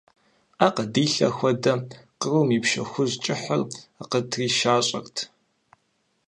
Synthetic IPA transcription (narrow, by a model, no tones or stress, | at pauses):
aqədiːɬɐ̰xʷɔdɐqərumiːpʃɐ̰xʷʊzt͡ʃʼɪħɐ̰raqətʰriːʃaːɕʼɐ̰rtʰ